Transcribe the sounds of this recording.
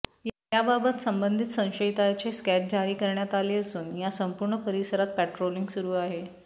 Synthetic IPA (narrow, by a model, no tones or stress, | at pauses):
j | jababət̪səmbənd̪ʱit̪sə̃w̃ɕəit̪ajt͡ɕeskæt͡ɕ̚d͡ʑaɾiːkəɾɳjat̪aleːəsuːnjasəmpuɾɳəpəɾisəɾat̪̚pæʈɾoliŋɡsuɾuːaɦe